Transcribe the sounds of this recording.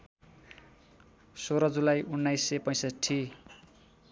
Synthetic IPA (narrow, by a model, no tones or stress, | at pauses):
soɾʌd͡zulajunːajsːepʌjsʌʈʰːi